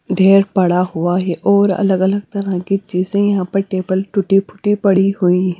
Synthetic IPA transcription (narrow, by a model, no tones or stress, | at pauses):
ɖʱeːɾpɐɽaɦʊaɦɛʔɔːɾɐ̰ləɡɐləɡt̪ɐɾãkit͡ʃiːzẽjɐɦãpɐɾʈeːbəlʈʊʈipʰʊ̥ʈipɐɽiɦʊĩɦɛ̃